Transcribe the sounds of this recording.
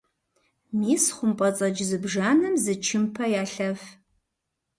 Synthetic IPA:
miːsχʷʊmpʼɐt͡sʼɐd͡ʒzɨbʐaːnɨmzɨt͡ʃʰɪmpʰɐjaːɬɐf

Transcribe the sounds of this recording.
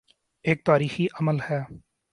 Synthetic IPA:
eːk̚t̪aːɾiːxiːʔəməlhɛː

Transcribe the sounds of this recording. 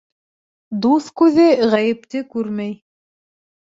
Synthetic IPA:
d̪uθkʉðɘʁæjɘ̆pt̪ɘkʉɾmæj

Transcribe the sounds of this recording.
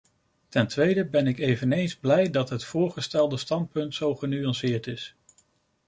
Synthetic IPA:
tɛntʋejdəbɛnɪkejvənejnzblɛjdɑtɦətfʊːɹχəstɛlˠdəstɑnt̚pɵntsowχənyɑnsɪːɹtɪs

